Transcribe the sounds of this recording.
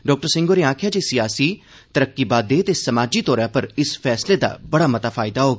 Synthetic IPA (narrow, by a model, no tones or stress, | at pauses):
ɖɔːk̚ʈəɾsɪ̃ŋɡoːɾeːãːkʰjaːd͡ʒeːsɪjaːsiː | t̪əɾəkːiːbaːd̪eːt̪eːsəmaːd͡ʒiːt̪ɔːɾjãːpəɾɪspʰɛːsleːd̪a̰ːbəɽaːmət̪aːfʰaːɪd̪aːɦoːɡː